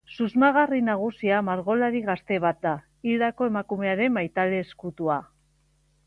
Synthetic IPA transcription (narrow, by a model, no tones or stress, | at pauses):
suzmaɣarinaɣ̞usiamaɾɣo̞laɾiɣast̪e̞β̞at̪̚d̪a | ild̪ako̞e̞makume̞aɾe̞majt̪ale̞ːskut̪ua